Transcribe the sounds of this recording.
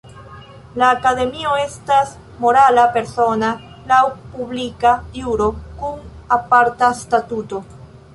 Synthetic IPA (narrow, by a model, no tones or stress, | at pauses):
laːkade̞mio̞e̞stas | mo̞ɾalape̞ɾso̞na | lawpublikajuɾo̞kunapaɾtastatuto̞